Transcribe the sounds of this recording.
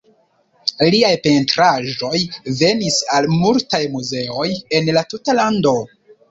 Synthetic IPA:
liajpe̞ntɾaʒo̞jve̞nisalmultajmuze̞o̞je̞nlatutalando̞

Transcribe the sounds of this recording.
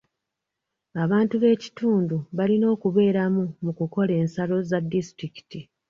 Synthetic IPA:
aβaːntuβe̞ːci̥tuːnduβalino̞ːkuβe̞ːɾamumukuko̞le̞ːnsalo̞zadːistɾiki̥ti

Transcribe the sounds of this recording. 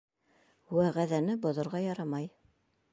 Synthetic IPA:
wæʁæðænɘbŏðŏɾʁɑjɑɾɑmɑj

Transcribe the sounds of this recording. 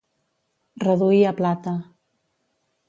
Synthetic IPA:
rəðuiəplat̪ə

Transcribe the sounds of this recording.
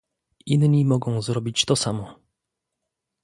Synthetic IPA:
inɲimɔɡɔ̃w̃zɾɔbʲit͡ɕt̪ɔsamɔ

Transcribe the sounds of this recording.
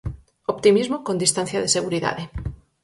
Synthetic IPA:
opt̪imizmokõnd̪ist̪anθjaðeseɣuɾiða̰ðe

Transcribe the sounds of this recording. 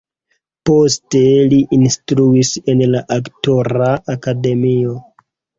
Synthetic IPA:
po̞ste̞liʔinstɾuise̞nlaʔaktoɾaːkade̞mio̞

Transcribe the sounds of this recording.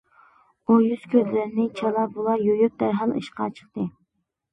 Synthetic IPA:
ujyz̥kʲʰøzlɪɾnɪt͡ʃʰɑlˠɑbulˠɑjojʊk̚d̪æɾɦɑnɨ̰ʃqɑt͡ʃʰə̥χt̪ɨ

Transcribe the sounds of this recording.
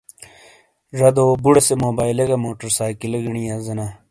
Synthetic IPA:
ʐɐd̪oːbuɽɐsemoːbaːjleɡɐmoːʈɐɾsaːkilɐɡɐɳijaːzɐna

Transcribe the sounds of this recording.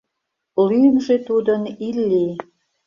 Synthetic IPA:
lyəmʒet̪ud̪ənilːi

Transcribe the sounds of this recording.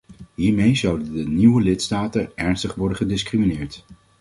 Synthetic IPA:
ɦiːɹmejzʌwdəndəniwəlɪtstaːtəɛɹnstəχʋɔɹdəχədɪskriminɪːɹt

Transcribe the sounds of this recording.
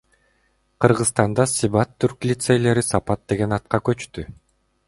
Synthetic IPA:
qʰɯɾʁɯst̪ɑnd̪ɑsiβɑt̪ʰːyɾklʲit̪sejle̞ɾisɑpɑt̪̚d̪e̞ɡe̞nɑt̪̚qɑkø̞t͡ʃt̪y

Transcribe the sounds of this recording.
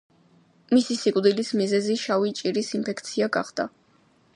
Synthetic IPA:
misisikʼd̪ilismizɛziʃavit͡ʃʼiɾisimpʰɛkt̪sʰiaɡa̰χd̪̥a

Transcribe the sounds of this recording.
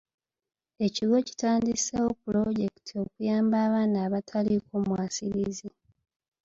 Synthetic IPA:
e̞ciɡo̞ci̥taːndisewopulo̞ɟe̞ki̥tʰio̞kujaːmbaːβaːnaːβatʰalikomwaːsiɾizi

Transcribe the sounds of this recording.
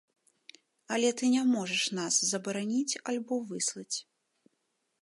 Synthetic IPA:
ɐlʲɛt̪ɨnʲamɔʐɛʂnaszɐbɐɾanʲit͡sʲalʲbɔvɨslˠɐt͡sʲ

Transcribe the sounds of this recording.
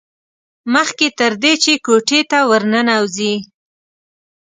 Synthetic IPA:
məxket̪əɾd̪et͡ʃekoʈet̪awəɾnənawzi

